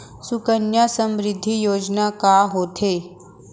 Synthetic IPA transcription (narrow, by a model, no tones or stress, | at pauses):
sukənjasəmɾɪd̪ʱːijoːd͡ʒnakaɦoːt̪ʰe